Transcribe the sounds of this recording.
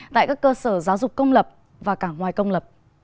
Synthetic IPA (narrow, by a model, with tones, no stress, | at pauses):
t̪a̰ː˧˨jkaː˦˥kːəː˧səː˧˩zaː˨˦wzʊ˨˩k͡p̚kə˧wŋ͡mlə˨˩p̚ | vaː˨˩kaː˧˩ŋwaː˨˩jkə˧wŋ͡mlə˨˩p̚